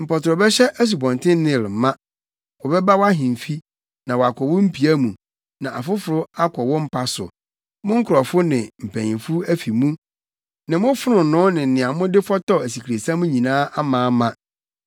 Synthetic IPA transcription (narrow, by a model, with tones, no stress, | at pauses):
m̩˨pɔ˨tɾɔ˨bɛ˦ɕɛ˦ʔæ˦s̬u˨bɔ̃˨ntʰɪ̃˦n˦nɪ̃˦˨lɪ˨m˨˦mã˦ | wɔ˨bɛ˦ba˦wa˦ɦɪ̃˨m̩˨fi˦ | nã˨wɔ˨a˨kʰɔ˨wʊ˦m̩˦pʰi˨æ˦mũ˨ | nã˨ʔa̰˨fʊ˦fʊ˨ɾʊ˦a˦kʰɔ˨wɔ˦m̩˦pʰa˦sʊ̰˨ | mʊ̃˦ŋ̩˦kʰʊ˨ɾɔ˨fʊ˦nɪ̃˨m̩˨pʰæ̃˨ɲɪ̃˨fʊ˦æ˦fi˨mũ˦ | nɪ̃˨mʊ̃˦fʊ˦ɾʊ̃˨nʊ̃˦nɪ̃˨n̩˨nɪ̃˨a˨mʊ̃˦dɪ˦fɔ˦tɔ˦æ˨si˨kʰɾe˨sã˦mũ˦ɲĩ˨nãː˦ʔa˦mãː˨˦mã˦